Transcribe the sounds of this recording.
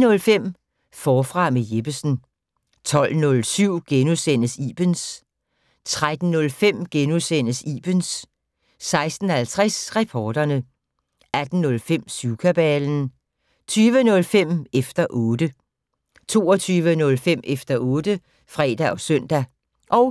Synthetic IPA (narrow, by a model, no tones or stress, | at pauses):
nɔ̽lfem̰ | fɒːfʁɑ̈meje̝b̥əsn̩ | t͡sʰɒ̽l̰nɔ̽lsyʊ̰ɡ̥enusen̰əsiːb̥əns | t͡sʰʁad̥n̩nɔ̽lfem̰ɡ̥enuðˠsen̰əsḭːb̥nsː | ɑ̈ɪsd̥n̩hælt͡sʰʁɛsʁɛpʰɒːd̥ɐnə | ʔæd̥n̩nɔ̽lfem̰suʊkʰæb̥ɛːln̩ | t͡sʰyːʋənɔ̽lfem̰efd̥ɐʔɔ̽ːdə | t͡sʰo̝ːɒt͡sʰyːʋənɔ̽lfem̰ʔefd̥ɐʔɔ̽ːd̥ə | fʁɛ̰ːd̥æʔɒ̽sœn̰d̥æ | ʔɒ̽ʊ